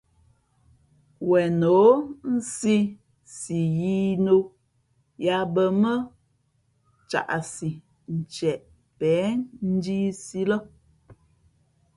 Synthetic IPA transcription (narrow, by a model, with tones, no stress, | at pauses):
wɛ˨no˨˦n̩˦si˦ | si˨ji˦no˦ | ja˨bə˨mə˦ | t͡ʃa̰˨ʔa˨si˨ | n̩˨t͡ʃɛ˨ʔ | pɛː˨˦n̩˦di˦si˦lə˦